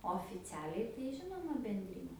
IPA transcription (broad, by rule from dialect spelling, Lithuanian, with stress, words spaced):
oːfʲɪˈt͡sʲæːlʲɛɪ tɐɪ ˈʒʲɪnoːmɐ bʲɛnʲˈdʲrʲiːnʲɛ